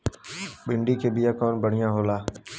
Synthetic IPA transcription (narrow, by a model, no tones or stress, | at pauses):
ɓɪɳɖiːkʰeːbɪjaːkoːnbəɽ̤ɪjãːɦoːlaː